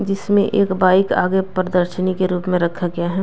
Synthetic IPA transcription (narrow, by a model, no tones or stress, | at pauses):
d͡ʒɪsmẽʔeːkbaːɪka̰ːɡepɾəd̪əɾʃənikeɾuːpmẽɾɐkʰːaɡɐjaɦɛ